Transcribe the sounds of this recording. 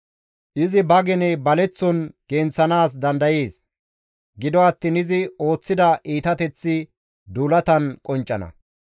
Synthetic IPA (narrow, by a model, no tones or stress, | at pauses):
ʔɪzɪbɐɡɛnɛbɐlɛt͡sːɔnɡ̥ɛːnt͡sːɐnaːs̬d̪ɐnd̪ɐjeːs | ɡɪd̪ɔɐt̪ːɪnɪzɪo̞ːt͡sːɪd̪ɐʔiːt̪ɐt̪ɛt͡sːɪ | d̪uːlɐt̪ɐnkʼɔnt͡ʃʼːɐ̰nɐ̰